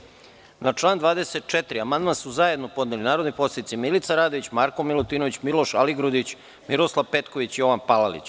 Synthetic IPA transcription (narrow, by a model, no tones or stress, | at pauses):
nat͡ʂlˠaːnd̪ʋaːd̪eset̪̚t͡ʃet̪ɾiamand̪mansuzaje̞d̪no̞po̞d̪nelinaːɾod̪nipo̞sed̪it̪similit̪saɾaːd̪o̞ʋit͡ɕmaɾkomilˠot̪iːno̞ʋit͡ɕmilo̞ʃaliɡɾud̪it͡ɕ | miɾoslˠaʋpet̪koʋit͡ɕijo̞ʋanpalalḭt͡ɕ